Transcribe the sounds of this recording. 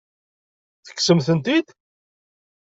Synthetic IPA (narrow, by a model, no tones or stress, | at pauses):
θə̥kːsəmθənt̪id̪